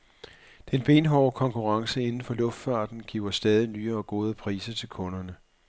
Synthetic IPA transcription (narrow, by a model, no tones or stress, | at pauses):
d̥enb̥e̝ːnɦɒʊkʰɒ̽ŋkʰuʁɑ̈ŋsəe̝nn̩fɒ̽lɔ̽fd̥fɑ̈ːd̥n̩ɡ̥ḭʊɐsd̥ɛːð̞ˠinyːɐɒ̽ɡ̥o̝ːð̞ˠəpʰʁḭːsɐt͡sʰe̝lkʰɔ̽nɐnə